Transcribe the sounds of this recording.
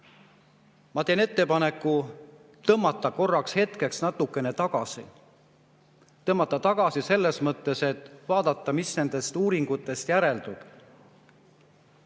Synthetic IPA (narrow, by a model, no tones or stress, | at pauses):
mɑt̪e̞ːne̞t̪ːe̞pɑne̞kːˑu | t̪ɤmːɑt̪ːˑɑko̞rːɑkshe̞t̪ke̞ksnɑt̪ːˑukːˑe̞ne̞t̪ɑɡ̥ɑsi | t̪ɤmːɑt̪ːˑɑt̪ɑɡ̥ɑsise̞lːe̞smɤt̪ːe̞se̞t̪ːˑvɑːd̪ɑt̪ːˑɑmisne̞nd̪̥e̞st̪uːɾiŋɡ̥ut̪ːˑe̞st̪jæɾe̞ld̪ub̥